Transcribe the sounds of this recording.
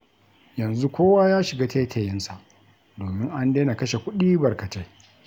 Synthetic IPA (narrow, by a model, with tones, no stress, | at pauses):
jɐ˨nzu˦kʷoː˦waː˦jaː˦ʃɪ˨ɡaː˦teː˦tʰe˦˨jɪ˦nsa˨ʔ | doː˨mɪ˦ŋʔa˦ndeː˦na˨kɐ˦ʃe˨kʷʊ˦ɗiː˦bɐ˨rkɐ˨te˦